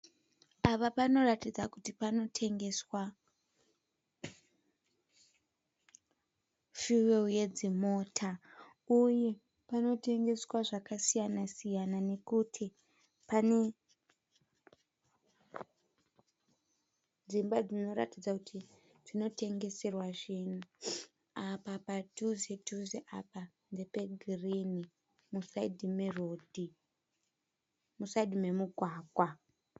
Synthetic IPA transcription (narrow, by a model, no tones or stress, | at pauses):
apapano̞ratid͡zakutipano̞tʰe̞ŋɡe̞swa | fiweuje̞d͡zimo̞ːtʰa | uje̞ | pano̞te̞ŋɡe̞swaʐakasijanasijanane̞kutʰi | pane̞ | d͡zimbad͡zino̞ɾa̰tid͡zakutʰi | tino̞te̞ŋɡe̞se̞rwaʐinu | apapatuzetuzeʔa̰pa | nd͡zepeɡʱirini | musaidimerodʱi | musaidime̞muɡʱwaːɡʱwa